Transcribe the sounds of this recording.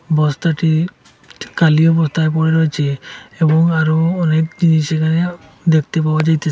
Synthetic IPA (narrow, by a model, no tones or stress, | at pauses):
bɔst̪aʈi | kaliɔbɔst̪ajpɔɹeɾɔjt͡ʃʰeebɔŋaɹuɔnek̚d͡ʒinisekʰane | d̪ek̚ʰt̪epabad͡ʒajt̪e